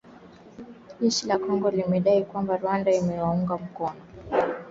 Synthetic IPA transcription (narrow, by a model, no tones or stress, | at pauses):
ʄɛʃilakɔŋɡɔlimɛɗaikwambaɾuwandaimɛwauŋɡam̩kɔnɔ